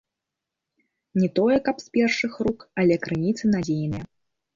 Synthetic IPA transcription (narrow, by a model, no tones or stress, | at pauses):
nʲɛt̪ɔjɛkɐpsʲpʲɛrʂɨxrukɐlʲɛkɾɨnʲit̪sɨnad͡zʲejnɨjɛ